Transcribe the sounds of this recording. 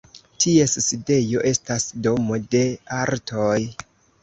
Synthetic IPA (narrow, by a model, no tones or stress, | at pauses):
tʰie̞sside̞jo̞ʔe̞stasdo̞mo̞de̞aɾtʰo̞j